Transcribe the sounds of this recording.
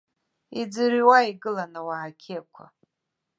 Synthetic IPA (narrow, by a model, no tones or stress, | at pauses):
id͡zɨɾiwaiɡɨlanawaʕakʲʰekʷʰa̰